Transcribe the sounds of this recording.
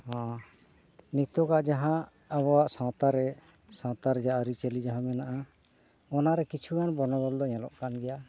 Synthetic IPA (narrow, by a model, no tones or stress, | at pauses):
hɔ̃ | nit̪ɔkaʔd͡ʒaɦã | aβɔwaʔsãwt̪aɾɛ | sãwt̪aɾɛd͡ʒaʔaɾit͡ʃelid͡ʒaɦãmɛnaʔa | ɔnaɾɛkit͡ʃʰukanbɔnɔbɔld̪ɔɲɛ̃lɔ̰ʔkanɡɛja